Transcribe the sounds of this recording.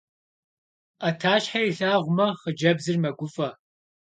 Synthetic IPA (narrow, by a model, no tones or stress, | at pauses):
atʰaːɕħaiɬaːʁʷʊmɐχəd͡ʒɐbzɨrmɐɡʷʊfʼɐ